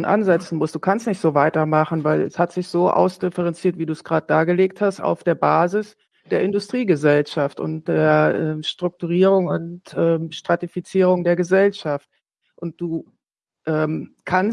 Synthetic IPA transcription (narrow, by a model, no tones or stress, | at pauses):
nʔa̰nzɛt͡sn̩mʊst̚d̥uːkʰanstnɪçtz̥oːvaɪtɐmaχn̩vaɪlɛ̰shatz̥ɪçz̥oːʔa̰ʊsd̥ɪfɛʁɛnt͡siːɐtv̥iːduːsɡ̥ʁaːdəd̥aːɡəleːk̚thastʔa̰ʊfd̥eːɐbaːzɪs | d̥eːɐɪndʊstʁ̥iːɡəzɛlʃaftʔʊ̰nt̚d̥eːɐʔɛːmʃtʁ̥ʊk̚tuʁ̞iːʁ̞ʊŋʊntʔɛːmʃtʁ̥atifit͡siːʁʊŋdeːɐɡəzɛlʃaft̚ | ʔʊnt̚d̥uː | ʔɛːm | kʰan